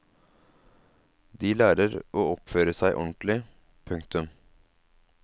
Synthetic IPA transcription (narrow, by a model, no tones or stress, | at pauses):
d̪iːlæːɾəɾʔoːɔpføːɾəsæɪʔɔ̰nt̪lɪ | pʰʉŋkt̪ʉm